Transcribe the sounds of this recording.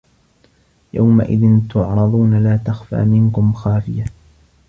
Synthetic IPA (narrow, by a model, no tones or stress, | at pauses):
ja̰wma̰ʔɪ̰ðɪnt̪ʊʕɾˤɑd̪ðˤuːnalaːt̪axfa̰ːmɪnkʊmxaːfɪja